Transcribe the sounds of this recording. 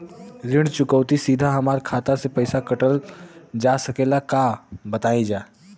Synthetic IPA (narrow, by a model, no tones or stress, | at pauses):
ɾɪɳɽt͡ʃʊkəːt̪isiːd̪ʱaɦɐmaːɾkʰaːt̪asepəɪsakɐʈəld͡ʒaːsɐkeːlakaːbət̪aːĩd͡ʒaː